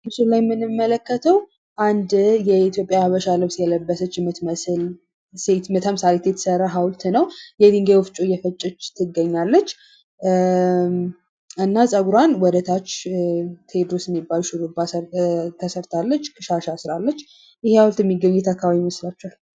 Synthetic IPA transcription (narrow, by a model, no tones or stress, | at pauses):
mɨsulajɛmːɨnɨmːələkːət̪ʰəw | ʔand̪jɛit̪ʰjo̞pʼjaβəʃalɨβsjɛləbːəsət͡ʃːɪmət̪məsɨl | set̪mɨt̪ʰəmɨsalet̪jɛt̪ʰsəɾːaɦawlt̪nəwjɛd̪iŋɡewɔft͡ʃʼojɛfət͡ʃʼːɪt͡ʃːt̪ʰːɨɡəɲːalːət͡ʃː | ɨnːasʼəɡuɾanwɔd̪ət̪ʰat͡ʃː | t̪ʰe̞d̪ɾosɪmːibalʃɪlubat̪ʰəsəɾt̪ʰalːət͡ʃːkʰʼɨʃaʃasɨɾalːət͡ʃː | jɪhehawʊlt̪jɛmːiɡːəɲːɛt̪ʰakʰːaβaβiməslat͡ʃːal